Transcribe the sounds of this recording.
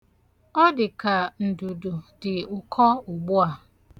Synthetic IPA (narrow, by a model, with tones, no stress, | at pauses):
ɔ˦dɪ˨ka˨n̩˨du˨du˨dɪ˨ʊ˨kʰɔ˦ʊ˨ɡ͡bʊ˦a˨